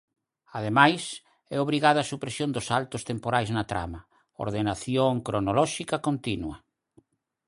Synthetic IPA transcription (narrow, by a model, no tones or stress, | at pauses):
að̞emajs | ɛoβɾiɣaðasupɾesjond̪ʊsalt̪ʊst̪empoɾajznɐt̪ɾa̰mɐ | o̰ɾðenaθjoŋkɾonolɔʃikɐkont̪inwɐ